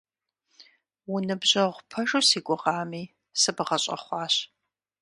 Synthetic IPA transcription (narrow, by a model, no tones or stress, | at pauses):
wʊnɨbʑɐʁʷpʰɐʒusiːkʷʼʊʁɑːmiː | sɨbɨʁɐɕʼɐ̰χʷɑːɕ